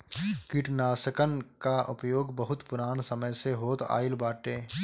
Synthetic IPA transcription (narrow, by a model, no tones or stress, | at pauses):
kɪʈnaːsəkənkaʔʊpjoːɡbəɦʊt̪pʊɾaːnsəməjseɦoːt̪a̰ːɪlbaːʈeː